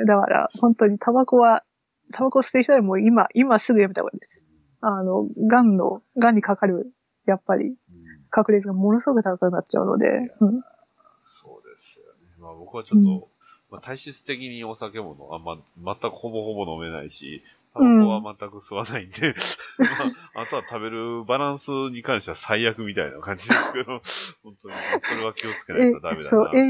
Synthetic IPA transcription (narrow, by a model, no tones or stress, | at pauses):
d̪aka̰ɾa̰hõ̞nt̪o̞ɲ̟it̪ʰabako̞βa | t̪ʰabakosɨ̥t̪ːeç̥t̪od̪emo̞imaʔimasɨɡɯjamʲit̪a̰ɡka̰id̪esɨ̥ | ano̞ɡãnːo̞̰ɡãɲ̟ːikakaɾɯ̟ | japːaɾʲḭ | kʰakɯ̟ɾʲet͡sɨɡamo̞no̞sɨɡo̞kɯ̟t̪akakakɯ̟natt͡ɕa̰ɯ̟no̞̰d̪e̞̰ɯ̟̃ɴ | soːd̪esɨjonemabo̞kɯ̟βat͡ɕot̪ːo | mat̪ʰaiɕit͡sɨ̥t̪e̞kʲiɲ̟io̞sake̞mo̞no̞̰a̰mamat̪ːakɯ̟ho̞bo̞ho̞bo̞no̞me̞na̰iɕḭt̪aɯ̃oβamat̪ːakɯ̟sɨβanaĩnd̪e̞maat̪o̞βat̪abe̞ɾɯ̟baɾãɰ̃sɨɲ̟ikãɰ̃ɕiβasaiakɯ̟mʲit̪aina̰kãɲ̟d͡ʑid̪esked̪ohõ̞nt̪oɲisoɾe̞β̞akʲio̞t͡sɨ̥keead̪amed̪asoːʔe